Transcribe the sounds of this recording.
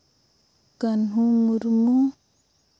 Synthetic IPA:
kanɦumuɾmu

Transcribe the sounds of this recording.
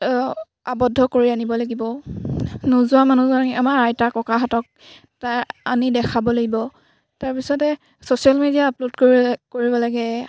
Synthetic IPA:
abɔdʱːɔkoɹianibɔlaɡibɔ | nuzuwamanuzaamaɹajtakɔkaɦatɔk̚ | taanidɛkʰabɔlaɡibɔ | taɹpisɔtɛ | sosialmedijaːplodkokoɹibɔlaɡɛ

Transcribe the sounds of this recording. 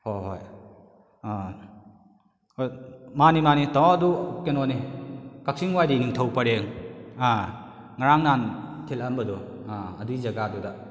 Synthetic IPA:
hojɦoj | manimanitaŋadukenɔnikak̚siŋwajdiniŋtʰawpaɾeŋa | ŋaɾaŋnantʰilɐmbɐduaɐduizɐɡaduda

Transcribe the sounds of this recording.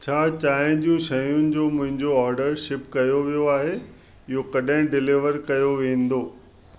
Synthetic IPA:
t͡ɕʰaːt͡ɕaːɦɪ̃d͡ʑũʃɐjʊnɪ̆d͡ʑomʊ̃ɦɪ̃ɲd͡ʑoɔːɾɖəɾʃɪpkɐjoʋijoaːɦe | ɪɦokɐɗɦɪ̃ɖɪlɪʋəɾkɐjoʋẽːn̆d̪oː

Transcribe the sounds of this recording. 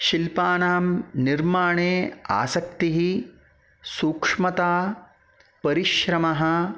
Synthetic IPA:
ʃilpaːnaːmniɾmaːɳeːa̰ːsɐk̚t̪iɦi | suːkʂmɐt̪aː | pɐɾiʃɾɐmɐɦɐ̆

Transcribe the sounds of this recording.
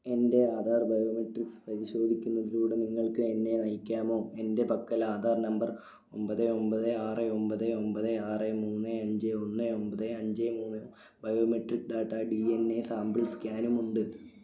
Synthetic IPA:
e̞nde̞aːd̪ʱaːrbɐjoːmeʈrikspɐɾiɕo̞ːd̪ʱikʲːunːɐðiluːɽeniŋːɐɭkɨenːe̞nɐjikʲːaːmo̞ːe̞nde̞pɐkːɐlaːd̪ʱaːrnɐmbɐr | o̞mbɐðɨo̞mbɐðɨaːreo̞mbɐðɨo̞mbɐðɨaːremuːnːɨɐɲd͡ʑeo̞nːɨombɐðɨɐɲd͡ʑemuːnːɨ | bɐjoːmeʈrikːɖaːʈːɐɖienːesaːmbɨɭskʲaːnumuɳɖɨ

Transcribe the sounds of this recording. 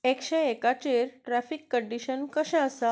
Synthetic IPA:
ekɕeekat͡ɕeɾʈɾæfikːəɳɖiɕənkəɕɛ̃əsa

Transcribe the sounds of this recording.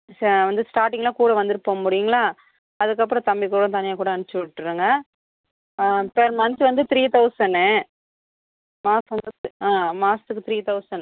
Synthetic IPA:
sʋɐnd̪ɯsʈaːɾʈɪ̃ŋɡlãːkuːɽɐʋɐnd̪ɪɾɯpːoːmʊɽɪjɯŋɡɐɭaː | ɐðɯkːɐpːɾɔ̃t̪ɐmbɪkuːɽɐ̃t̪ɐnɪjaːkuːɽɐɐnɯt͡ʃːɯʋɪʈːɯɾɯŋɡɐ | pɛɾmɐnsʋɐnd̪ɯt̪ɪɾiːt̪ɐʊsɐɳ | maːsʋɐnd̪ɯaːmaːst̪ɯkːɯt̪ɾiːt̪ɐʊsɐn

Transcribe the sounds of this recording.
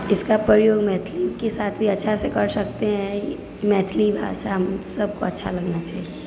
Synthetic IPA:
ɪskapɾəjoːɡmɛːt̪ʰlikesaːt̪ʰbʱiɐtːʃʰasekɐɾsɐk̚t̪eɦɛ̃ | mɛːt̪ʰlibʱa̰ːsaəmsɐb̚ʱkoɐtːʃʰa̰lɐɡnat͡ʃa̰ːɦie

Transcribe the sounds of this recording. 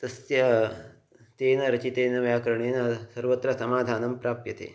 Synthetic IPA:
t̪ɐsjɐ | t̪eːnɐɾɐt͡ʃit̪eːnɐʋjaːkɐɾɐɳeːnɐsɐɾʋɐt̪ɾɐsɐmaːd̪ʱaːnɐmpɾaːpjɐt̪ḛː

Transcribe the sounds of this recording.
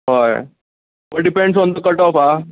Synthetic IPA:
ɦoj | ʋəɖipẽɳɖsɔ̃nd̪əkəɾʈɔfa

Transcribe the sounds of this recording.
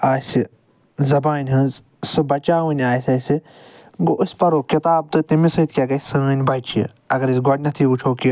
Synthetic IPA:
aːsi | zɐbaːnʲɦɨ̃nz | sɨbɐt͡ʃaːwɨnʲaːjsʲɐsi | ɡoʔɨsʲpɐɾoːkit̪aːb̚t̪ɨt̪imisɨt̪̚kʲaɡɐsɨnʲbɐt͡ʃʰḭ | ɐɡɐɾisɡoɽʲnɐt̪ʰiut͡ʃʰoːki

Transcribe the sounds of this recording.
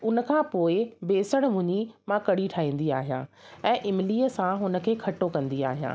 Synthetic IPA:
ʊnə̆kʰãpoːɪbeːsəɽ̃mʊ̃ɲimãkɐɽiʈʰaːɦĩːn̆d̪iaːɦijã̰ɛ̃ːʔɪmɪliːəsãɦʊnə̆kʰeːkʰɐʈokɐ̃nd̪ia̰ːɦijã̰ː

